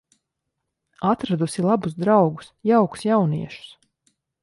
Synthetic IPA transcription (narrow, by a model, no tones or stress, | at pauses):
at̪ɾad̪usilˠabuzd̪ɾawɡu̥sjawku̥sjawniɛʃu̥s